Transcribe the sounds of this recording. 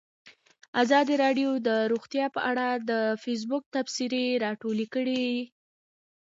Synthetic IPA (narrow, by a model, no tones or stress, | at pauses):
azɑd̪iɾɑɖjod̪əɾoɣt̪jɑpəʔaɽad̪əfes̬bʊk̚t̪afsiɾeɾɑʈolekəɽi